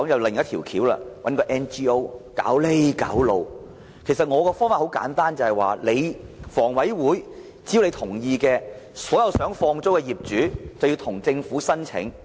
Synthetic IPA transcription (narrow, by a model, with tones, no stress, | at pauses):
ɔ˨˥ŋjɐ˨˧wlɪ˨ŋjɐ˥t̪ʰiː˨˩wkʰiː˨˥wla̰ː˧wɐ̰˨˥nkɔː˧ʔɛ˧nt͡ʃiː˥o˥wka̰ː˨˥wle˥jka̰ː˨˥wlo˨˧w | kʰe˨˩jsɐ˨t̚ŋɔː˨˧kɔː˧fɔː˥ŋfaː˨ho˨˥wka̰ː˨˥nt̪aː˥nt͡sɐ˨˧hɐ˨jwa̰ː˨le˨˧jfɔː˨˩ŋwɐ˨˥jwuː˨˥j | t͡si˥˨˧le˨˧jt̪ʰʊ˨˩ŋjiː˧kɛː˧ | sɔː˨˥jɐ˨˧wsœː˨˥ŋfɔː˧ŋt͡so˥wkɛː˧jiː˨p̚t͡ʃyː˨˥t͡sɐ˨˩wji˧wt̪ʰʊ˨˩ŋt͡sɪ˧ŋfuː˨˥sɐ˥nt͡sʰɪ̰˨˥ŋ